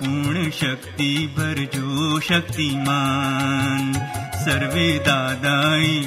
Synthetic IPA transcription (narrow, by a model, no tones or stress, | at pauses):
puɳʃɐk̚t̪ibʱɐɾd͡ʒoːʃɐk̚t̪imaː | nsɐɾʋeːd̪aːd̪aːi